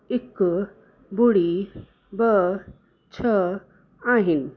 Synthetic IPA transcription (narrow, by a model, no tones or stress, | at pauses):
ik | buɽi | bə | t͡ɕʰə | ãɦin